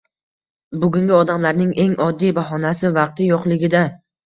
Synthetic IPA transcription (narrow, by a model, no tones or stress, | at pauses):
bʊɡʲʊŋɡʲɪɒd̪amlaɾnɪŋʔe̞ŋɒd̪ːijbaɦɒnasɪvɑq̚t̪ʰɪjoqlˠɪɡʲɪd̪a